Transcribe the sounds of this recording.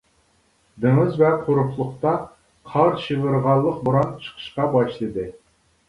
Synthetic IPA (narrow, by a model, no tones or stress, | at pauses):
d̪eŋɨzvɛqʰoɾupʰlˠʊχt̪ɑ | qʰɑɾʃivɨɾʁɑlˠːəq̚buɾɑnt͡ʃʰə̥qʰə̥ʃqɑbɑʃlˠɨd̪ɨ